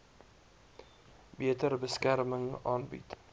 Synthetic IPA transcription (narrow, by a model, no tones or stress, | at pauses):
biətərbəskærməŋɑːnbḭt